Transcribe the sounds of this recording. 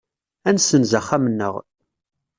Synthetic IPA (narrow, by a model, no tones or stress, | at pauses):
ænsənzəχːæmənːə̰ʁ